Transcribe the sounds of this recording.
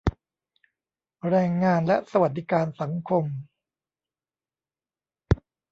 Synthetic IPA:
ɾɛː˧ŋːaː˧nlɛ˦˥sa˧wa˨˩t̪̚d̪i˦˥kaː˧nsa˩˦ŋkʰo˧m

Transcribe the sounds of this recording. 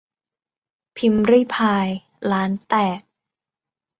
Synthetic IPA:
pʰi˧˥mɾɯ˥˩jpʰaː˧j | laː˨˦˥nt̪ɛː˨˩k̚

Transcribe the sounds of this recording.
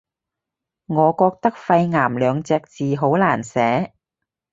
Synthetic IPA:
ŋɔː˨˧kɔː˧k̚t̪ɐ˥k̚fɐ˧jŋaː˨˩mlœː˨˧ŋt͡sɛː˧k̚t͡siː˨ɦo˨˥wlaː˨˩nsɛː˨˥

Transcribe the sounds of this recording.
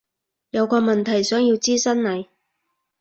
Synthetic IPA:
jɐ˨˧wkɔː˧mɐ˨nt̪ʰɐ˨˩jsœː˨˥ŋjiː˧wt͡siː˥sɐ˥nlɐ˨˩j

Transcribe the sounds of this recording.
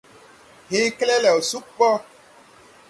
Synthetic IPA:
ɦe˦klɛ˦lɛ˨o˨su˦k͡pɔ˦

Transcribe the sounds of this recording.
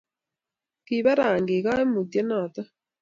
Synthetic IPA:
ki˨βa˦ɾaː˨ŋɡe˨ka˦e˦mu˨tje˦nɔ˨tɔ˦

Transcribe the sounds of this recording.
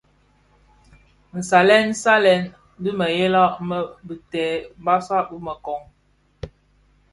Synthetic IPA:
n̩˨sa˨lɛ˦n̩˦sa˦lɛ˨n˦ | di˦mə˨je˦la˦ʔmə˦bi˨tɛ˨˦ba˦sa˦ʔbu˦mə˨kɔ˨ŋ

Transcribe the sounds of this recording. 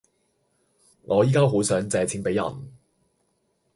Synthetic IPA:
ŋʔɔː˨˧jiː˥kaː˥ɦo˨˥sœː˨˥ŋt͡sɛː˨˧t͡sʰiː˨˥npe˨˥jɐ̰˨˩n

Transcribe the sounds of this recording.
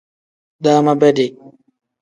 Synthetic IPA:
daː˦ma˦bɛ˦de˨

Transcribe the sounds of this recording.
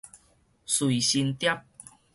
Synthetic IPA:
sui˨ɕi˧nt̪ja˦˥p̚

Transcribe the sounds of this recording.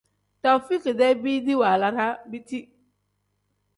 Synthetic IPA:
ta˨fi˦ki˨dɛ˦bi˦di˦wa˨la˨ɾa˦bi˦ti˦

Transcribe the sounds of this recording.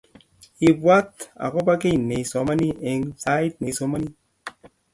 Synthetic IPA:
i˨bwa˦t̪a̰˨kɔ˦pa˦ke˦˨ne˨sɔ˨ma˦ni˦e˨ŋsa˦i˦t̚ne˨sɔ˨ma˦ni˦

